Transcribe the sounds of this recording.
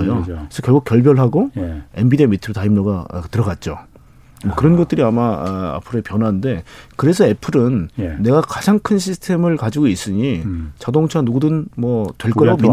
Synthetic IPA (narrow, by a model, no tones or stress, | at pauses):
jokesʰʌkjʌɭɡuk̚jʌɭbjʌɭɦaɡoe̞mbidemitʰɯɾtaimɲoɡa̰tɯɾʌɡat̚t͡ɕ͈o | mʌkɯɾʌnɡʌt̚t͈ɯɾiamaa̰pʰɯɾoepjʌnwande̞kɯɾe̞s̬ʰʌe̞pʰɯɾɯnːe̞ɡakad͡ʑaŋkʰɯnɕ̬ʰisʰtʰe̞mɯɭkad͡ʑiɡois͈ɯɲit͡ɕadoŋt͡ɕʰanuɡudɯnmʌtwe̞ɭk͈ʌɾaɡoi